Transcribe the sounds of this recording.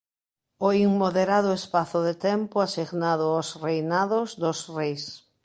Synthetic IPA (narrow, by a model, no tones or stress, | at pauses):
oiŋmoðeɾaðʊespaθʊðet̪ɛmpʊasiɣnaðʊosrejnaðozd̪osrejs